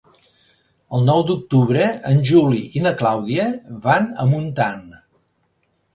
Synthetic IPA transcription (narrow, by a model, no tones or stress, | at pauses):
əlˠnɔwd̪uk̚t̪uβɾəənʲʒuliinəklawðiəβanə̰munt̪an